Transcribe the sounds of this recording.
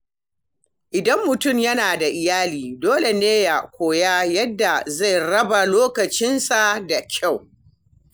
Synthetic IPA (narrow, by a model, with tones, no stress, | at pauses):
ʔɪ˨dɐ˦mːʊ˨tʊ˦˨mjɐ˦naː˨da˨ʔɪ˨jaː˦liː˨doː˦le˨neː˦ja˨kʷoː˨ja˦jɐ˦dːa˨za˦˨jɽɐ˦ba˨loː˦kɐ˨t͡ʃɪ˦nsa˨da˨kʲʰa˦˨w